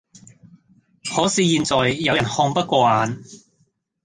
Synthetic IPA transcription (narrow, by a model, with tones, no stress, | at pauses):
hɔː˨˥siː˨˧jiː˨˧nt͡sɔː˨jːɐ˨˧wjɐ˨˩nhɔː˧ŋpɐ˥t̚kʷɔː˧aː˨˧n